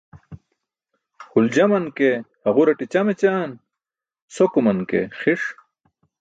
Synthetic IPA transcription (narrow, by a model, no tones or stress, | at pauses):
huld͡ʑɐmɐnkehɐʁuɾɐʈit͡ɕɐmet͡ɕaːn | sokumɐnkḛxiʂ